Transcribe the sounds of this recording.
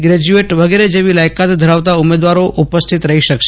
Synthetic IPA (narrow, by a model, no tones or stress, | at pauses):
ɡɾɛd͡ʒueʈʋəɡeɾed͡ʒeʋilajkat̪d̪ʱəɾaʋt̪aʊmed̪ʋaɾoʔupəst̪ʰit̪ɾəɦiʃəkʃ